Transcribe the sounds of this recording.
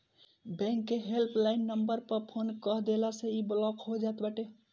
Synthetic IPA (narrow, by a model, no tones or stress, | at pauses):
bɛ̃ŋkːeɦelplainːəmbəɾpəɾpʰonkəɦd̪elasẽiblɔkɦod͡ʒaet̪baʈe